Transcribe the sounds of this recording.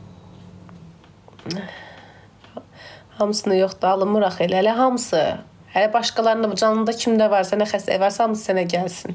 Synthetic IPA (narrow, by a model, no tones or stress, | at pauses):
hɑmɯsɯnɯjoχd̪ɑlˠɯmuɾɑχelæælæɦɑmɯsɯ | hælæbɑʃkɑlˠɑɾɯnd̪bd͡ʒɑnɯnd̪ɑcʰimd̪ævɑɾsænæxæst̪ḛvɑɾsɑhɑmɯsɯ̥sænæɟælsin